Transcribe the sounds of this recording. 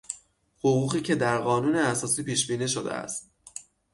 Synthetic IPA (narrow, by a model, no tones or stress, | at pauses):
hoɣuːɣiːcʰe̞d̪æɾɢɒːnuːneæsɒːsiːpiːʃbiːniʃo̞d̪ḛæ̰st̪̚